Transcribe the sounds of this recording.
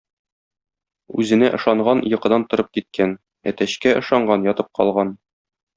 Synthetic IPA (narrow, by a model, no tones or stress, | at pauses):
ʉzɘ̆næʔŏʃɑɴʁɑnjɤ̆qɤ̆d̪ɑnt̪ŏɾɤp̚kit̪̚kæn | æt̪æɕkæʔɤ̆ʃɑɴɢɑnjɒt̪ɤp̚qɒ̰lˠʁɑn